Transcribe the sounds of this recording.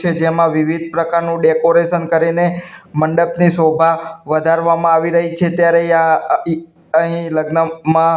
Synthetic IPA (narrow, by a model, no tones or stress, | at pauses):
t͡ʃʰed͡ʒemãʋiʋid̪̚ʱpɾəkaɾnũɖekoɾeʃənkəɾineməɳɖəpnisobʱaʋəd̪ʱaɾʋamãaʋiɾəɦit͡ʃʰet̪jaɾeã | əɦĩləɡnəmã